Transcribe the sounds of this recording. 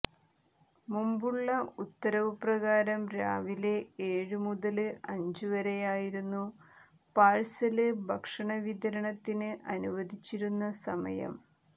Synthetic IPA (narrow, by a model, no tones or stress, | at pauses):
mumbuɭːɐut̪ːɐɾɐʋuprɐɣaːɾɐmɾa̰ːʋileeːɻɨmuðɐlɨʔɐɲd͡ʑɨʋɐɾejaːjiɾunːu | paːɻsɐlɨbʱɐkʂɐɳɐʋid̪ɐɾɐɳɐt̪ːinɨʔɐnuʋɐd̪ʱit͡ɕːiɾunːɐsɐmɐ̰jɐ̰m